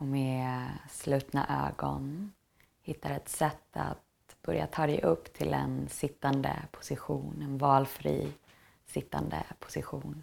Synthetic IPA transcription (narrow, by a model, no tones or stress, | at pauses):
ɔmɛslʉ̟ːt̪naʔøːɡɔn | hɪt̪ːaɾɛt̪sɛt̪ːa̰t̪ | b̥œɾjat̪ʰɑːd̪ɛʔɵpːt̪ʰɪlɛnsɪt̪ːand̪əpʰʊ̥sɪɧuːnɛnvɑːlfɾiː | sɪt̪ːand̪ə̰pʰʊ̥sɪɧuːn